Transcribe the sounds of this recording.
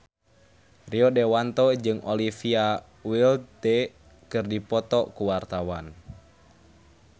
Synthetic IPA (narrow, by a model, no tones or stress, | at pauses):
riɔdɛwant̪ɔd͡ʒɨŋɔlifia | wilt̪ɛ | kɨrdipɔt̪ɔkuwart̪awan